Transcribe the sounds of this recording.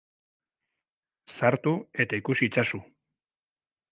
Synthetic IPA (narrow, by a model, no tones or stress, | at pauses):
saɾt̪ue̞t̪aikusiːt͡sasu